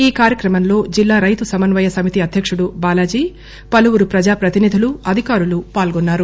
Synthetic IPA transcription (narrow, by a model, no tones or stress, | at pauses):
iːkaːɾjɐkɾɐmɐmlo̞ːd͡ʒilːaːɾɐjt̪usɐmɐnʋɐjɐsɐmit̪iɐd̪ʱjɐkʂuɽubaːlaːd͡ʒiː | pɐluʋuɾupɾɐd͡ʒaːpɾɐt̪inid̪ʱuluɐd̪ʱikaːɾulupaːlɡonːaːɾu